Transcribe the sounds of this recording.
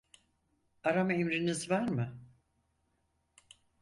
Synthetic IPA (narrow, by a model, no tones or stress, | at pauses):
aɾamaemɾinizvaɾmɯ